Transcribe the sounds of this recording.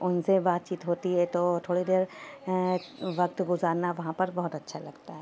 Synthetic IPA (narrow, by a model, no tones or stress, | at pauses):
ʊnsebaːt̪̚t͡ʃiːt̪ɦoːt̪iɦɛt̪ot̪ʰoːɽid̪eːɾ | ʋɐk̚t̪ɡʊzaːɾnaʋɐɦãpɐɾbɐɦʊt̪ɐtːʃʰalɐɡt̪aɦɛː